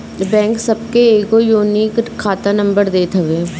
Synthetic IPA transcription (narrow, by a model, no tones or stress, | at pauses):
bɛ̃ːŋksɐb̚keeːɡojuːnikkʰːaːt̪anɐ̃mbəɾd̪eːt̪ɦɐʋeː